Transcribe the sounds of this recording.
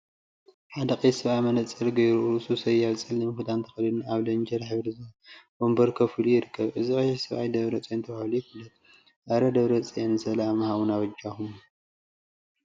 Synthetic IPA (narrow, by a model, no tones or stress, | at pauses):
ħad̪ɐqʼɐjsɐβajmɐnɐt͡sʼɐlɡɐjɾuʔɨsusɐjaβt͡sʼɐlːɨmɨxɨd̪ant̪ʰɐ̥xɐlid̪naβlɐnd͡ʒɐɾħɨβɾizɐbombɐɾkʰɐfɨlujɪɾɨkʰːɐβʔɨzikʼɐjzsɐβʔa̰jd̪ɐβɾɐt͡sʼint̪ʰɐβahlujifulːɐt̪̚ | ʔɐɾɐd̪ɐβɾɐt͡sʼjensɐlamɐhaβunaβɐd͡ʒaxum